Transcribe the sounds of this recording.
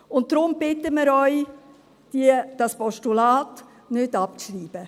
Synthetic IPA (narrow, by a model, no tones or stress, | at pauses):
ʊnt̚d̥ɾʊmbɪtəmɪɾœʏ | d̥iəd̥ɑspɔʃtulɑːt | nʏdɑp̚t͡sɾiːb̥ə